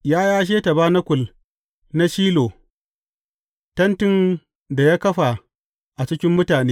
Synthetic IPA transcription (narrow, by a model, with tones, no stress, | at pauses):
jaː˦jaː˦ʃ̬eː˦tɐ˨baː˦nɐ˦kʷʊ˨l | na˦ʃiː˦loː˨ | tɐ˦ntɪ˦n | da˨jaː˦kɐ˦ɸa˨ | ʔa˨t͡ʃɪ˦kʲɪ˦mːʊ˦taː˨neː˦